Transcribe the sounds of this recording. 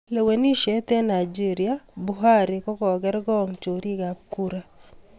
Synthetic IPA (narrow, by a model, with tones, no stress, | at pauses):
lɛ˨we˨ni˦ʃɛ˦t̪ɛ˦na˨jd͡ʒi˦ɾiabuɦaɾɪkɔ˦kɔ˨ɡɛ˦ɾɡɔ˦ŋt͡ʃo˨ɾi˦ɡa˨p̚kuɾa